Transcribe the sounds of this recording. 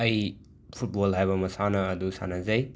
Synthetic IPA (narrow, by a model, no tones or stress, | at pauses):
ɐj | pʰuʈ̚bolɦajβɐmɐsanɐːd̪usa̰nɐzɐj